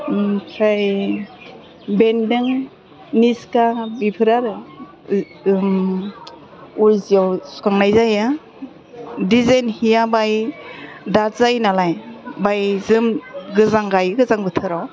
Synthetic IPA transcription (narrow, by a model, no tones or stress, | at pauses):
mtʰɾaj | bendɯŋ | niskabipʰɯɾaɾɯ | ujziawsu̥kaŋnajzaja | dizanhijabaj | dazajnalajbajzɯmɡɯzaŋɡajɡɯzaŋbɯtʰɯɾaw